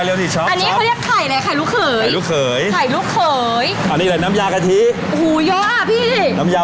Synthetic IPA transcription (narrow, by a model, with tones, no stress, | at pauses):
jli˧t̪ʰiː˧˩t͡ɕʰɔ˦˥ʔa˧nːiː˦˥˧li˥ə˩kʰa˧˩jla˨˧˩kʰa˨˩jlu˦˥kʰɤː˨˩˦jluː˦˥kʰɤː˩˦jʰa˨˩jluː˦˥kʰɤː˨˩˦j | ʔa˧nːiː˦˥la˨˧˩na˦˥mjaː˧kʰa˧t̪ʰi˦˥ʔo˧huː˨˩˦jɔː˦˥ʔa˧˩pʰiː˥˩na˦˥mjaː˧